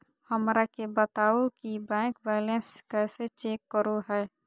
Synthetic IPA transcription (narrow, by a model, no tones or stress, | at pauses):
həmɾakebət̪aːokibɛ̃ːkbɛːlẽnskɛːset͡ʃeːkːəɾoɦɛː